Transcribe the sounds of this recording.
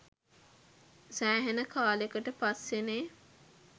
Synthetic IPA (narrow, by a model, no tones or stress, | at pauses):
sæːɦenəkʰaːlekəʈəpaseneː